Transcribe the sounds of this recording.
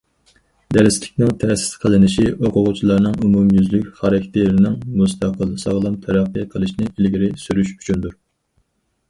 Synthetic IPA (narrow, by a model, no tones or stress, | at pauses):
d̪æɾɪslɪkʲnɪŋt̪ʰɛsi̥sqʰəlˠɨnɪʃiʔoqʰʊʁʊt͡ʃʰilˠɑɾnɨŋumumjyzlykʲχɑɾɑkʲʰt̪ʰɪɾɪnɪŋmust̪ʰɑqʰəlˠsɑʁlˠɨmt̪ʰɛɾɑqːɨqʰəlˠɨʃnɪʔilɡʲiɾɪsyɾyʃy̥t͡ʃʰynd̪uɾ